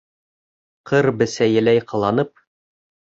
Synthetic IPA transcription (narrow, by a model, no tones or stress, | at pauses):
qɤɾbɘ̆sæjɘ̆læjqʰɤ̆lˠɑnɤp̚